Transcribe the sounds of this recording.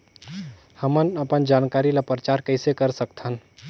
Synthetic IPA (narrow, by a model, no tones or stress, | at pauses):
həmənəpənd͡ʒankaɾilapɾət͡ʃaɾkəɪsekəɾsək̚t̪ʰən